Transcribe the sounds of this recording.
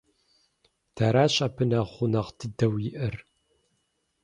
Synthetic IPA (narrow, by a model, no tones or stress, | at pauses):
tʰaːɾaːɕʼɐpʰɨnɐʁχʷʊnɐʁtʰɨdɐwjɪʔɐr